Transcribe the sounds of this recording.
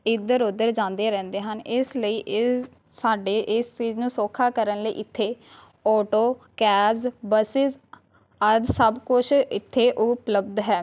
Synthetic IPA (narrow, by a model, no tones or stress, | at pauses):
ɪd̪əɾʊd̪əɾd͡ʒãːnd̪eːɾɛ̃ːnd̪eːɦənɪsləiːʔ | saːɖeːʔɪst͡ʃiːznũːsoːkʰaːkəɾənləḭːʔɪt̪ʰːeː | ɔːʈoːkɛːbzbəsɪz | əd̪səbkʊt͡ʃʰɪt̪ʰːeːʔʊpləbd̪ɦɛː